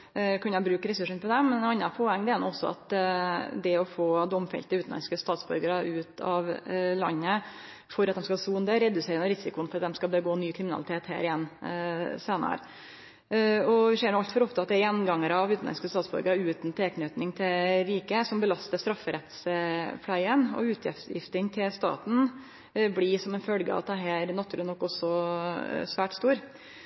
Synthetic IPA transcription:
kʉnːɑbɾʉːkɾɛsʉʂːənpʰɔd̪ɛmmɛnɑnːɑpʰɔɛŋd̪ɛæɾnṵɔsːɔɑ̰t̪ | d̪ɛɔfoːd̪ɔmfɛ̰lt̪əʉːn̩lɑ̰nskəst̪ɑːt̪sbœ̰ɾɡəɾəʉːt̪ɑʋlɑ̰nːə | fɔɾɑt̪̚d̪ɛmskɑsuːnd̪əɾɛd̪ʉseːɾɪŋɔɾɪsɪkʊənfɔɾɑt̪̚d̪ɛmskɑbəɡoːnyːkʰɾɪmɪnɑ̰lɪt̪ʰeːt̪hæ̰ːɾɪjɛnː | seːnə̰ɾ | ɔʋɪseːɳʊɑlt̪fɔɾɔpt̪ʰɑt̪ːɛjɛnːɡɑŋːəɾɑʋʉːt̪n̩ɛ̰nskəst̪ɑːt̪sbɔ̰ɾɡəʉːt̪nt̪ʰeːknœːt̪nɪŋt̪ʰɪɾiːkəsɔmbəlɑst̪əʂst̪ɾɑfːəɾɛt̪spʰlæɪənɔ̰ʉːt̪ʰɪ̰jɪ̰ft̪ɪŋt̪ʰɪlst̪ɑ̰ːt̪n̩ | blɪsɔmɛnfœlɡəɑ̰ʋɑ̰t̪̚d̪ɛɦæːɾnɑt̪ʰːʉːlɪnɔkːɔsːɔ | sʋæːʈst̪uːɾ

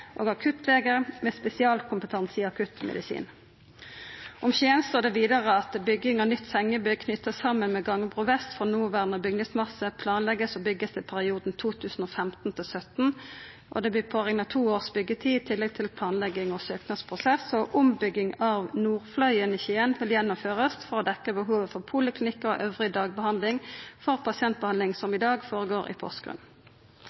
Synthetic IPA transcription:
ʔo̰ːɡɑkʰʉt̪ʰleːɡəʁmɛspɛsɪɑːlkʰʊmpət̪ʰɑnsiːɑkʰʉt̪mʔɛ̰d̪ɪsḭːn | ʔɔmçeːənst̪oːd̪ɛʋiːd̪ɑʁəɑt̪bʏɡɪŋɑnʏt̪ːsɛŋːəbʏkʰnʏt̪ːəsɑmːənmɛɡɑŋəbʁʊːʋɛst̪fʁɔnuːʋæʁnəbʏɡnəsmɑsəpʰlɑːnlɛɡəsɔbʏɡəst̪ʰɪlpʰæʁɪuːd̪n̩t̪ʰuːt̪ʰʉːsn̩oːfɛmt̪n̩t̪ʰɪlsœt̪n̩ | ʔɔ̰d̪ɛb̪ɪːpʰoːʁɛŋnɑt̪ʰuːoːʁsbʏɡːət̪ʰiːɪt̪ʰɪlːɛɡ̚t̪ʰɪlpʰlɑːnlɛɡɪŋɔsøːknɑspʰʁʊsɛsɔʔʊmbʏɡɪŋɑʋnuːʁflœʏəniːçiːənʋɪljɛnːʊmføːʁəst̪fɔʁɔd̪ɛkːəbəɦuːʋəfɔʁpʰuːləklɪnɪkːɔ̰ʔøːʋʁɪd̪ɑːɡ̚bəhɑnd̪lɪŋfɔʁpʰɑsɪɛnt̪̚bəɑnlɪŋsɔmɪd̪ɑːɡfoːʁəɡoːʁʔɪ̰pʰɔ̰st̪ɡʁʉ̰n

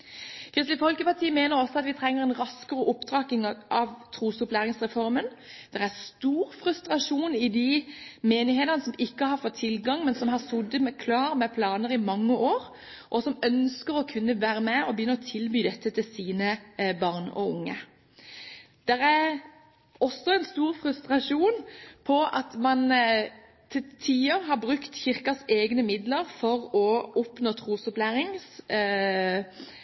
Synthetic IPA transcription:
kʰʁɪst̪lɪfɔlkəpɑʁt̪ʰiːəmeːnəʁɔsːɔɑt̪ʋɪt̪ʰʁɛŋːəʁɛnʁɑskəʁəʔʊpːd̪ʁɑːkɪŋʔɑʋt̪ʰʁuːsʊplæːʁɪŋsʁɛfɔʁmənd̪̥ɛʁæʁst̪uːʁfɾʉst̪ʁɑʂuːnɪd̪ɪmeːnɪheːt̪əʁnəsɔmɪkːəhɑʁfɔt̪ʰːɪlɡɑŋmɛnsɔmɦɑʁsʊd̪əmɛkʰlɑːʁmɛpʰlɑːnəʁɪmɑŋːəʔoːʁ | ʔɔsɔmœnskəʁɔkʰʉnːəʋæːɾəmɛɔbəjʏnːəʁɔt̪ʰɪlbyːd̪ɛt̪ːət̪ʰɪlsiːnəbɑʁnɔ̰ʊŋːə̰ | d̪̥ɛʁæɾ | ɔsːɔɛnst̪uːʁfʁʉst̪ʁɑʂuːnpʰɔɑt̪mɑn | t̪ʰɪlt̪ʰiːoɦɑʁbʁʉkt̪çɪʁkɑseːɡnəmɪd̪ləʁfɔʁɔɔpnoːt̪ʰʁuːsɔplæːɾɪŋs

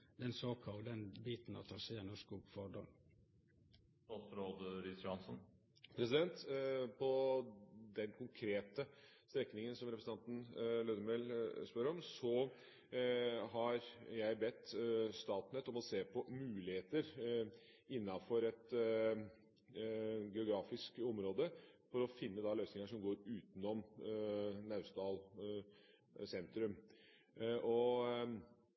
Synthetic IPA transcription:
d̪ɛnsoːkʰɑld̪ɛnbiːt̪n̩ɑ̰t̪ʰɑːsɛjɛnːɔskuɡfɔɖɔ̰n | t̪ɑsɾoːd̪əɾisjʊhɑnsn | pʰɾɛsɪd̪ɛnt̪pʰɔ | d̪ɛnkʊŋkʰɾeːt̪əst̪ɾɛkːnɪŋənsɔmɾɛpɾsəɑnt̪n̩løːd̪əmɛlspœɾɾɔmsɔ | ɦɑɾjæɪbɛt̪ːst̪ɑːt̪nɛt̪ɔmɔseːpʰɔmʉːlɪheːt̪əɾ | ɪnːɑfɔɾɛt̪ | ɡɛʊɡɾɑːfɪskɔmɾoːd̪əfɔɾɔfɪnːəd̪ɑløʏsnɪŋəʂɔmɡoːɾʉːt̪nɔm | nɑʉst̪ɑːl | sɛnt̪ɾʉm | ʔɔ

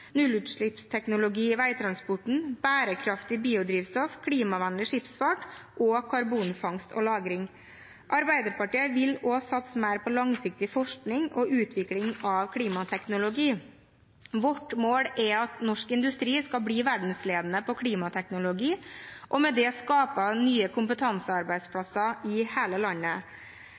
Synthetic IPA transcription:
nʉlʉt̪ʂɭɪpst̪ʰɛknʊlʊɡiːʋæɪt̪ʰɾɑnspɔʈɳ̩b̥æːɾəkʰɾɑft̪ɪbiːʊd̪ɾiːʋst̪ɔfkʰɽiːmɑʋɑnlɪʂɪpsfɑʈʔoːkʰɑɾbuːnfɑŋst̪ɔ̰lɑːɡɾɪŋ | ʔɑɾbæɪd̪əɾpɑʈiːəʋɪlɔsɑt̪səmæɪɾpʰɔlɑŋsɪk̚t̪ɪfɔʂknɪŋɔʔʉːt̪ʰʋɪklɪŋɑʋkʰɽiːmɑt̪ʰɛknʊlʊɡiː | ʋɔʈmoːɽɛɑt̪nɔʂkɪnd̪ʉst̪ɾiːskɑbɽiːʋæɖɳ̩sleːd̪nəpɔkʰɽiːmɑt̪ʰɛknʊlʊɡiːʔɔmɛd̪ɛɔskɑːpənyːəkʰʊmpət̪ʰɑnsəɑɾbæɪd̪spʰɽɑsɑɪheːləlɑnːə

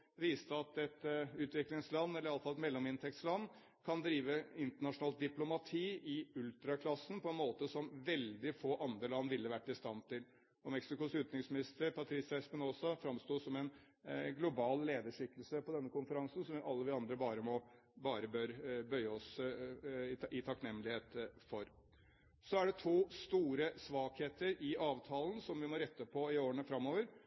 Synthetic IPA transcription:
ʋiːst̪əɑt̪ɛt̪ʉːt̪ʋɪklɪŋslɑnːɛlːəɾɑləfɑlɛt̪mɛlːɔmɪnt̪ʰɛk̚t̪slɑnː | kʰɑnd̪ɾiːʋəɪnt̪əɳɑʂʊnɑːlt̪̚d̪ɪplʊmɑt̪ʰiːʔɪʉlt̪ɾɑkʰlɑsːnpʰɔɛnmoːt̪əsɔmʋɛld̪ɪfoːʔɑnd̪ɾəlɑnːʋɪlːəʋæʈːɪst̪ɑnt̪ɪl | ɔmɛksɪkʊsʉːt̪nɪŋsmɪnɪst̪əɾpʰɑt̪ʰɾɪsɛspənɔsɔfɾɑmst̪uːsɔmɛn | ɡlʊbɑːlleːd̪əʂʏkːəlsəpʰɔd̪ɛnːəkʊnfəɾɑŋsn̩sɔmʋɪʔɑlːəʋɪɑnd̪ɾəbɑːɾəmɔ | bɑːɾəbøɾbœʏəɔs | ɪɪt̪ʰɑknɛmːəlɪheːt̪fɔɾ | sɔæɖɛt̪ʰuːst̪uːɾəsʋɑːkheːt̪əɾɪɑːʋt̪ʰɑːln̩sɔmʋɪmɔɾɛt̪ːəpʰɔɪoːɾəɳəfɾɑmːoːʋəɾ

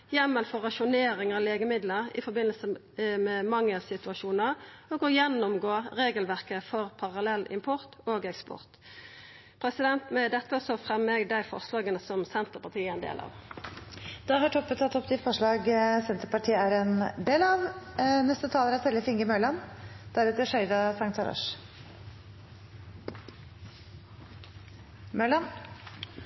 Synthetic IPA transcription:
jɛmːəlfɔʁɑʃʊneːɾɪŋɑleːɡəmɪd̪ləʁɪ̰fɔʁbɪnəlsə | mɛmɑŋːəlsɪt̪ʉɑʃuːnəʁ | oːɡɔjɛnːʊmɡoːʁeːɡəlʋæʁkəfɔʁpʰɑʁɑlɛlːɪ̰mpʰɔʁt̪oːɡɛkspɔ̰ʁt̪ | pʰʁɛsɪd̪ɛnt̪mɛd̪ɛt̪ːəɔst̪ɔfʁɛmːeɡd̪æɪfɔ̰ʁʂlɑːɡənəsɔmsɛnt̪əpɑt̪ʰiːəɛnd̪ḛːlʔɑ̰ːʋ | d̪̥ɑhɑʈʰɔpːət̪ʰːɑt̪ːɔpd̪ɪfɔʂɭɑːɡsɛnt̪əɾpɑʈʰiːəæɾɛnd̪eːlɑʋnɛst̪ət̪ʰɑːləɾæt̪ʰɛlːəfɪŋɡəmœːlɑnd̪̥æɾʉːt̪əʂœʏd̪ɑsɑŋt̪ʰɑɾɑ̰ʂ | mœlɑn

